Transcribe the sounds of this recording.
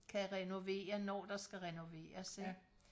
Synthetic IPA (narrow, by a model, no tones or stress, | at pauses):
kʰæʁɛno̝ʋe̝̰ːɐnɒ̰ːd̥ɑ̈sɡ̥æʁɛno̝ʋe̝̰ːɐse